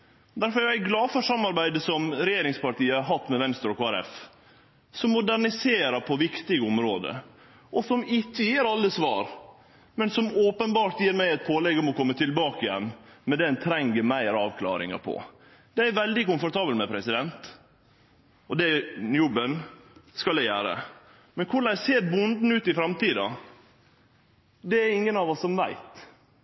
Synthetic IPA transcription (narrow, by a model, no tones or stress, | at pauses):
d̪æɾfɔɾæɡlɑːfœʂɑmːɑɾbæɪd̪əsɔmɾɛjeːɾɪŋspɑʈ̪iːəhɑɾɦɑt̪ːmɛʋɛnst̪ɾɔkʰoːæɾɛ̰f | sɔmːʊd̪æɳɪseːɾəpʰɔʋɪkt̪ɪɡəɔmɾoːd̪ə̰ | ʔɔsɔmɪt̪ːəjeːɾɑlːəsʋɑ̰ːɾ | mɛnsɔmoːpənbɑːʈ̪jiːɾmæɪæɪt̪̚pʰoːlɛɡːɔmɔkʰɔmːət̪ʰɪlbɑːkɪjɛ̰nːmɛd̪ɛnt̪ʰɾɛŋɡəmæɪɾɑːʋkʰlɑ̰ːɾɪ̰ŋɑ̰pʰɔ̰ | d̪̥ɛæɾʋɛld̪ɪkʊnfɔɾt̪ʰɑːbəlt̪mɛpʰɾɛsɪd̪ɛnt̪ | ɔd̪ɛnjʊbənskɑld̪ɛjæːɾə̰ | mɛnkʰʊɭæɪseːɾbʊnd̪n̩ʉːt̪ɪfɾɑmt̪iːd̪ɑ̰ | d̪ɛæɾɪŋːənɑːʋɔsɔmʋæɪt̪